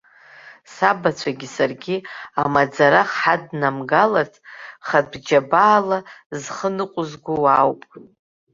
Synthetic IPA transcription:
sabat͡ɕʷʰaɡʲisarɡʲiamad͡zaɾaχħadnamɡalartʰʼχabd͡ʒabaːlazχənɨqʷʼʊzɡʷuwawpʼ

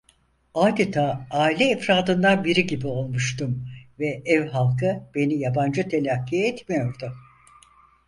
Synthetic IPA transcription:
aːd̪et̪ʰaːaːilʲɛːfɾaːd̪ɯnlˠanbiɾiɟibio̞lˠmuʃt̪umvɛʔɛvɦalˠkʰɯb̥e̞nijaband͡ʒɯt̪ʰe̞lʲakʰːijɛt̪mijo̞ɾd̪ʊ

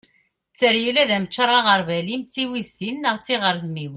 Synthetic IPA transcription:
t͡sːəɾjilæðæmət͡ʃːəɾˤɑʁəɾˤvælimt͡sːiwizt̪inːəʁt͡sːiʁəɾθmiw

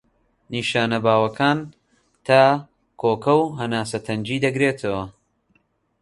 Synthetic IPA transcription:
niːʃaːnɐbaːwɐkʰaːn | t̪ʰaː | kʰoːkɐwɦɐnaːsɐt̪ʰɐnd͡ʒiːd̪ɐɡɾeːt̪ʰɐwɐ

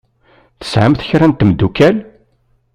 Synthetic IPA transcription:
θə̥sʕəmθçɾænt̪ːmd̪ːukæl

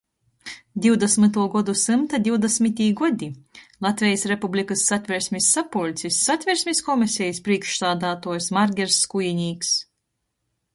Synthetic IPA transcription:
d̪ʲiwd̪esmɨt̪uɔɡɔd̪usɨmt̪ad̪ʲiwd̪esmit̪ʲiːɡɔd̪ʲilˠat̪vʲɛjisɾepublʲikɨsːat̪ʲvʲɛɾsʲmʲisːapulʲt̪sʲisːat̪ʲvʲɛɾsʲmʲiskɔmisʲɛjispɾiɛkʃsaːd̪aːt̪uɔjsmaɾɡʲɛɾsːkujinʲiːks

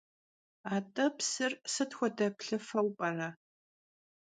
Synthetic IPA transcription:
aːtʼɐpsɨrsɨtxʷɔdɐpɬɨfɐwpʼɐrɐ

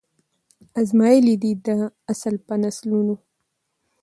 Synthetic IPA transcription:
azmɑjelid̪id̪əasalpənasluno

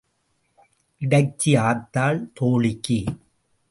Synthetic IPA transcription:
ʔɪɽɐɪt͡ʃːiaːt̪ːaːɭt̪oːɭɪkːi

